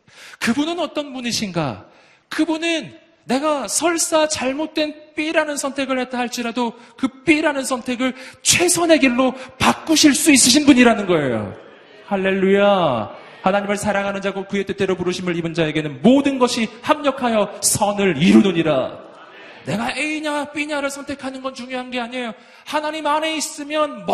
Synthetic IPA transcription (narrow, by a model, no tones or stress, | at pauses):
kɯbunɯnʌt͈ʌnbuɲiɕʰinɡa̰ | kɯbunɯnː | e̞ɡasʰʌɭs͈at͡ɕaɭmot̚t͈we̞np͈iɾanɯnsʰʌntʰe̞ɡɯɭhe̞t͈ahaɭt͡ɕ͈iɾadokɯp͈iɾanɯnsʰʌntʰe̞ɡɯɭt͡ɕʰwe̞sʰʌnɦe̞ɡiɭːopak͈̚uɕʰiɭs͈uis͈ɯɕ̬ʰinbuɲiɾanɯnɡʌe̞jo̰ | haɭːe̞ɭːuja | hanaɲimɯɭsʰaɾaŋɦanɯnd͡ʑaɡokɯe̞t͈et͈e̞ɾopuɾɯɕʰimɯɭibɯnd͡ʑae̞ɡe̞nɯnmodɯnɡʌɕʰihamɲʌkʰajʌsʰʌnɯɾiɾunoɲiɾa̰ | ne̞ɡaeiɲap͈iɲaɾɯɭsʰʌntʰe̞kʰanɯnɡʌnt͡ɕuŋjoɦanɡe̞aɲejo | hanaɲimane̞is͈ɯmjʌnmʌ